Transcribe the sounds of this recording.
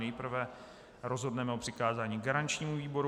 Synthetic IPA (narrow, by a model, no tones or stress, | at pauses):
nɛjpr̩vɛ | ɾo̞zɦo̞dnɛmɛopr̝̥ɪkaːzaːɲiːɡaɾant͡ʃɲiːmuviːbo̞ɾ